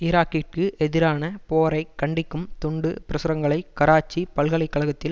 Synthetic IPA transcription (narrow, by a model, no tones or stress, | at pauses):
ɪɾaːkiʈ̚kɯʔɛðɪɾaːnɐpoːɾɐɪkːɐɳɖɪkːɯmt̪ʊɳɖɯpɪɾɐsɯɾɐŋɡɐɭɐɪkɐɾaːt͡ʃːipɐlɣɐɭɐɪkːɐɭɐɣɐt̪ːɪl